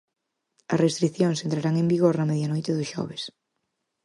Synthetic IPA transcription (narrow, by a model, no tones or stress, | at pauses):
ɐsrest̪ɾiθjoŋsent̪ɾaɾaŋẽmbiɣoɾnɐmeðjanojt̪ɪðʊʃɔ̰β̞es